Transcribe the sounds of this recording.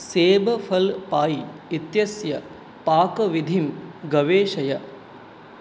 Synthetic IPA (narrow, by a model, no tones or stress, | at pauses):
seːbɐfʰɐlpaːiit̪jɐsjɐ | paːkɐʋid̪ʱimɡɐʋeːʂɐjɐ